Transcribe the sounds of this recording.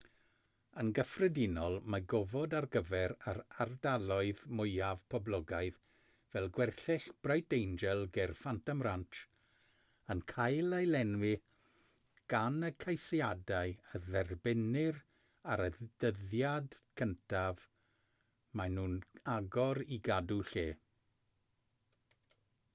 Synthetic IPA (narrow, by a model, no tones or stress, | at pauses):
ənɡəfrɛdɪnɔlˠmaɡɔvɔdarɡəvɛɾaɾardalˠɔɨðmʊjav̥pʰɔblˠɔɡaɨð | vɛlˠɡwɛrθɪɬb̥rajdejnd͡ʒɛlˠɡɛrfantʰamrantʰ | ənkʰajlˠajlɛnwɪ | ɡ̥anəkʰajsjadaɨəðɛrbɪnɪr | aɾəd̥əðjadkʰəntʰav | manuːnaɡɔɾiɡaduɬeː